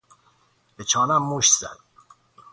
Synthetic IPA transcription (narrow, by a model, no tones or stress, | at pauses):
b̥et͡ʃʰɒːnæmːuʃz̥æ̰d̪̥